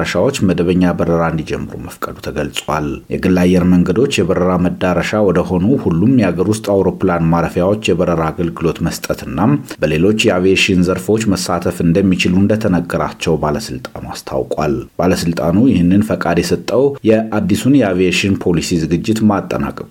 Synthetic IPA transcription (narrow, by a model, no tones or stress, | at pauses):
ɾəʃawo̞t͡ʃːməd̪əβəɲːabəɾəɾaɨnd̪id͡ʒɛmːɨɾṵməfkʼəd̪ut̪ʰəɡəlsʼwaljɛɡɨlːajːɛɾməŋɡəd̪o̞t͡ʃːjɛβəɾəɾaməd̪ːaɾəʃawɔd̪əho̞nuhulːumjɛaɡəɾwʊst̪ʼawɾo̞planmaɾəfjawo̞t͡ʃːjɛbəɾəɾaːɡəlɡɨlo̞t̪məst̪ʼət̪ɨnːamb̥əle̞lo̞t͡ʃːjɛaveʃinzəɾfo̞t͡ʃːməsːat̪ʰəfɨnd̪əmːit͡ʃɪluɨnd̪ət̪ʰənəɡːəɾa̰t͡ʃːɛwbaləsɨlt̪ʼa̰nuast̪ʰa̰wkʼwa̰lb̥aləsɨlt̪ʼanujɪhɨnːɨnfəkʼad̪jɛsət̪ʼːəwjɛad̪ːisunjɛaveeʃinpʰo̞lisizɨɡɨd͡ʒːɪt̪mat̪ʼːə̰na̰kʼə